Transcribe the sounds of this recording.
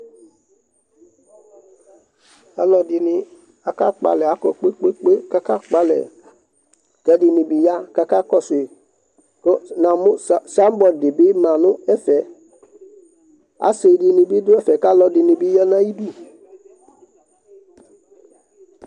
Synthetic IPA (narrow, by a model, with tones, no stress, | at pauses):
a˨lɔ˨dɪ˨nɪ˨ | a˨ka˦k͡pa̰˨lɛ˨a˦kɔ˨k͡pe˦k͡pe˦k͡pe˦ka˦ka˦k͡pa˦lɛ̰˨ | kɛ˦dɪ˨nɪ̃˨bi˨ja˦ka˦ka˦kɔ˦sʊ˨e˨ | kɔ˦nã˨mʊ˦sa˦m˦bɔ˨ldɪ˨bɪ˦mã˨nʊ̃˦ɛ˦fɛ˨˦ | a̰˨˦se˨dɪ˨nɪ̃˨bi˦dʊ˦ɛ˦fɛ˨ka˦lɔ˨dɪ˨nɪ̃˨bi˦ja˦nã˦i˦du˦